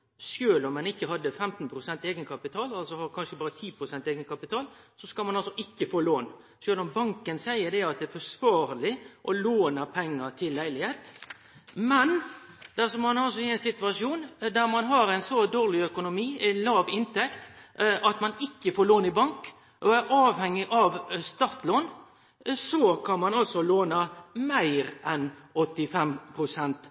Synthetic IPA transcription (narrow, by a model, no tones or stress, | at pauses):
ʃjøːlɔmɛnɪkːəɦɑd̪ːəfɛmt̪npʰɾʊsɛnt̪eːɡənəkʰɑpɪt̪ʰɑːlɑlsɔhɑɾkʰɑnʃəbɑːɾət̪ʰiːpʰɾʊsɛnt̪eːɡənəkʰɑpɪt̪ʰɑːl | sɔskɑlmɑnɑlsɔʔɪkːəfoːloːn | ʃøːlɔmbɑŋkənsæɪəd̪ɛɑt̪̚d̪ɛæɾfɔsʋɑːɾəlɪʔɔloːnəpʰɛŋːəɾt̪ʰɪlːæɪlɪheːt̪ | mɛn | d̪̥æsɔmmɑnɑlsɔɪæɪnsɪt̪ʉɑʂjuːnd̪æɾmɑnɦɑɾɛɪnsɔd̪oːʁlɪœkʊnʊmiːɛnlɑːʋɪnt̪ɛkt̪ʔɑt̪mɑnɪkːəfoːɾloːnɪbɑŋk | ʔɔæɾɑːʋhɛŋːɪʔɑʋst̪ɑɾt̪loːn | sɔkʰɑnmɑnɑlsɔloːnɑmæɪɾʔɛnɔt̪ːɪfɛmpʰɾʊsɛnt̪